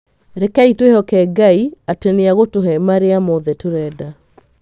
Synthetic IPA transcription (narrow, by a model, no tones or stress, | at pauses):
ɾekaitwehɔkɛɡaiateneaɣotoɦɛmaɾeamoðɛtoɾɛda